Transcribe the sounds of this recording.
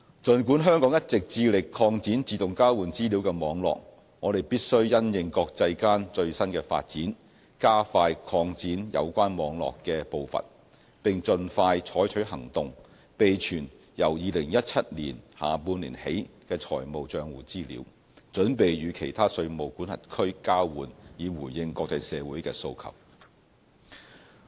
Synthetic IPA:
t͡ʃɵ˨nku˨˥nɦœː˥ŋkɔː˨˥ŋjɐ˥t̚t͡sɪ˨k̚t͡siː˧lɪ˨kʰːɔː˧ŋt͡siː˨˥nt͡siː˧t̪ʊ˨ŋkaː˥wuː˨˩nt͡siː˥liː˨˥wkɛː˧mɔː˨˧˥ŋlɔ̰ː˨k̚ | ŋɔː˨˧ɾe˨˩jpiː˥t̚sɵ˥ɥjɐ˥njɪ˨˧ŋkɔː˧k̚t͡sɐ˧jkaː˥nt͡ʃɵ˧ɥsɐ˥nkɛː˧fa̰ː˧t̚t͡siː˨˥n | kaː˥faː˧jkʰɔː˧ŋt͡siː˨˥njɐ̰˨˧wkʷaː˥nmɔː˨˧ŋlɔ̰ː˨kːɛː˧po˨wfɐ̰˨n | pɪ˨ŋt͡sɵ˨nfaː˧jt͡ʃʰɔː˨˥jt͡ʃʰɵ˨˥ɥɦɐ˨˩ŋt̪ʊ˨ŋ | pe˨jt͡ʃʰyː˨˩n | jɐ˨˩wjiː˨˧lɪ˨˩ŋjɐ˥t̚t͡sʰɐ˥t̚lḭː˨˩nhaː˨˩puː˧nliː˨˩nhe˨˥jkɛː˧t͡ʃʰɔ̰ː˨˩jmo˨wt͡ʃœː˧ŋwuː˨˩t͡siː˥lḭː˨˧˥w | t͡ʃɵ˨˥npe˨jjyː˨˧kʰe˨˩jt̪ʰaː˥sɵ˧ɥmo˨˩wkuː˨˥nhɐ̰˨t̚kʰɵ˥ɥkaː˥wwuː˨˩njiː˨˧wuː˨˩jjɪ˧ŋkɔː˧k̚t͡sɐ˧jsɛː˨˧wuː˨˥jkɛ̰ː˧so˧wkʰɐ̰˨˩w̚

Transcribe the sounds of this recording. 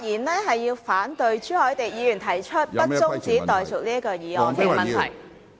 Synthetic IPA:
jiː˨˩nlɛː˥ɦɐ˨jːiː˧wfaː˨˥nt̪ɵ˨˧ɥt͡ʃyː˥hɔː˨˥jt̪e˨jjiː˨˧jyː˨˩nt̪ʰɐ˨˩jt͡ʃʰɵ˥t̚pɐ˥t͡sʊ˥ŋt͡st͡siː˨˥t̪ɔː˨jt͡sʊ˨˩liː˥ɐ˥kɔː˧jiː˨˧ɔː˧˥k̪ʰe˨˩˨mɐ˨˩nt̪ʰɐ̰˨˩j

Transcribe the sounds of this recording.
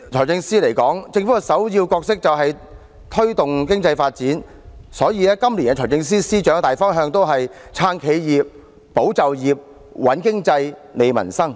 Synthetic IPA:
t͡ʃʰɔː˨˩jt͡sɪ˧ŋsiː˥le˨˩jkɔː˨˥ŋt͡sɪ˧ŋfuː˨˥ɐ˨˧sɐ˨˥wjiː˧wkɔː˧k̚sɪ˥k̚t͡sɐ˨wɦɐ˨j | t̪ʰɵ˥ɥt̪ʊ˨ŋk̬ɪ˥ŋt͡sɐ˧jfaː˧t̚t͡siː˨˥n | sɔː˨˥jiː˨˧ɛː˥kɐ˥mliː˨˩na˧t͡ʃʰɔː˨˩t͡sɪ˧ŋs̬iː˥siː˥t͡ʃœː˨˥ŋt̪aː˨jfɔː˥ŋɦœː˧ŋt̪o˥wɦɐ˨jt͡sʰaː˧nkʰe˨˧jjiː˨p̚ | po˨˥wt͡sɐ˨wjiː˨p̚ | wɐ˨˥nkɪ˥ŋt͡sɐ˧j | le˨jmɐ̰˨˩nsɐ˥ŋ

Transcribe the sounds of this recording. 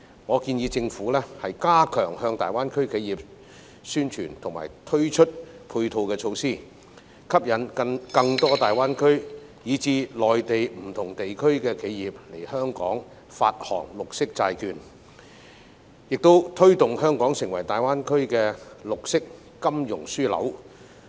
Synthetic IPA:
ŋɔː˨˧kiː˧njiː˨˧t͡sɪ˧ŋfuː˨˥lɛː˥hɐ˨jkaː˥kʰœː˨˩ŋhœː˧ŋt̪a̰ː˨jwaː˥nkʰɵ˥ɥkʰe˨˧jiː˨˩p̚ | syː˥nt͡ʃʰyː˨˩nt̪ʰʊ˨˩ŋma̰ː˨˩jt̪ʰɵ˥ɥt͡ʃʰɵ˥t̚pʰuː˧jt̪ʰo˧wkɛː˧t͡ʃʰo˧wsiː˥ | kʰɐ˥p̚jɐ˨nkɐ˧ŋt̪ɔː˥t̪aː˨jwaː˥nkʰɵ˥ɥ | jiː˨˧t͡siː˧lɔː˨jt̪e˨jm̩˨˩t̪ʰʊ˨˩ŋt̪e˨jkʰɵ˥ɥkɛː˧kʰe˨˧˥jjiː˨p̚le˨˩jhœː˥ŋkɔ̰ː˨˥ŋ | fa̰ː˧t̚hɔ̰ː˨˩ŋlʊ˨k̚sɪ˥k̚t͡saː˧jkyː˨˧n | jɪ˨k̚t̪o˥wt̪ʰɵ˥ɥt̪ʊ˨ŋhœː˥ŋkɔː˨˥ŋsɪ˨˩ŋwɐ˨˩jt̪aː˨˩jwaː˥nkʰɵ˥ɥkɛː˧lʊ˨k̚sɪ˥kː | ɐ˥mjʊ˨˩ŋsyː˥lɐ̰˨˥w

